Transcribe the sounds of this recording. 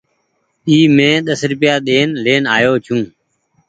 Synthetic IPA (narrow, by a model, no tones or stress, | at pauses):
iːmẽːɗ̪əsɾʊpɪjaːɗ̪eːnleːnaːjoːt͡ʃʰũː